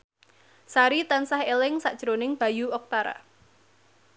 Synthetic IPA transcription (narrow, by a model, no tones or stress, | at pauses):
saɾit̪ansahelɪŋsaʔd̥ʒ̥ɾonɪŋb̥a̤juɔk̚t̪aɾa̰